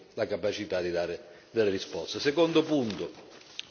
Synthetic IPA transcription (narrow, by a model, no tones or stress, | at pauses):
lakapat͡ʃit̪ad̪id̪aːɾɪ | d̪elːeɾispɔst̪esekond̪ʊpunt̪ʊ